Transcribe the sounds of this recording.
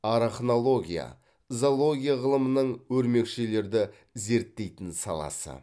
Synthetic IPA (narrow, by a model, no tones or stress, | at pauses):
ɑɾaχno̞lˠo̞ɡʲija̰ | zolˠo̞ɡʲijaʁəlˠəmənəɴwɵɾme̞kʃe̞le̞ɾd̪ɪ | ze̞ɾt̪ːe̞jt̪ɪnsɑ̰lˠɑ̰sə̰